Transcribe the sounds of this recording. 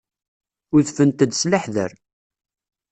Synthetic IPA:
ʊθfənt̪əd̪slaħðə̰ɾ

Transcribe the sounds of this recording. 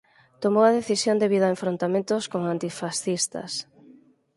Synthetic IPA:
t̪omowɐðeθisjond̪eβiðaeɱfɾont̪amẽnt̪oskoŋant̪ifasθist̪ɐ̰s

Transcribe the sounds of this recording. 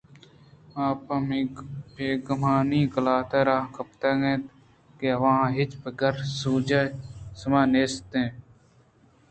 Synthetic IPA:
aːpãmiːpeːɡəmaːnĩːkəlaːt̪eːɾaːkəpt̪eːɡẽːt̪ | keʋãːɦɪt͡ʃpəɡəɾsuːd͡ʒesəmãːneːst̪ẽː

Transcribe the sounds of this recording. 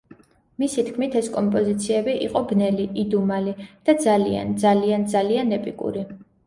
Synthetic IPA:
misit̪ʰkʰmit̪ʰɛskʼɔmpʼɔzit̪sʰiɛbiʔiqʼɔɡnɛliʔid̪umalid̪̥ad̪zalia̰nd̪zaliand̪zalianɛpʼikʼṵɾi

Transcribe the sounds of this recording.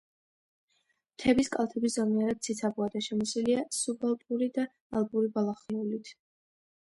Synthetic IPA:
t̪ʰɛbiskʼalˠt̪ʰɛbiszamiaɾad̪̚sʰit̪sʰabuad̪aʃɛmɔsiliasubalˠt̪ʼuɾid̪aː | lˠbuɾibalˠaχnulit̪ʰ

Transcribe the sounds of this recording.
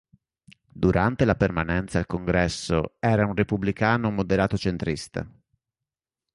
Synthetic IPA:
d̪uɾʔant̪elapermanɛnt̪saːlkoŋɡɾɛsːo̰ɛːɾaunrepublikaːnomod̪eɾaːt̪ot͡ʃent̪ɾist̪a̰

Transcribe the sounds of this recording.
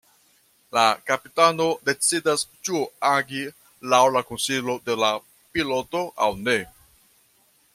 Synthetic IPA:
lakapitano̞de̞t͡sidast͡ʃuaɡi | lawlakonsilo̞de̞la | pilo̞to̞ʔawne̞

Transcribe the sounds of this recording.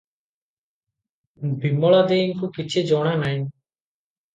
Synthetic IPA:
bimɔɭad̪eiŋkukit͡ʃʰed͡ʒɔɽ̃anaj

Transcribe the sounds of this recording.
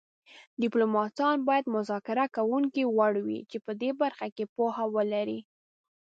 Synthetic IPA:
dɪplomɑtɑnbɑjad̪mʊzɑkɪɾakawuŋkiwaɽwḭt͡ʃepəd̪ebaɾxakepohawəlaɾi

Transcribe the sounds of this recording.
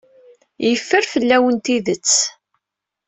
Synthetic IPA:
jəfːəɾfəlːæwənt̪iðət͡sː

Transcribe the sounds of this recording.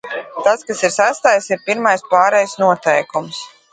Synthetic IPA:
t̪askasiɾsæst̪aːjsiɾpiɾmajspaːɾɛjsnuɔt̪ɛjkums

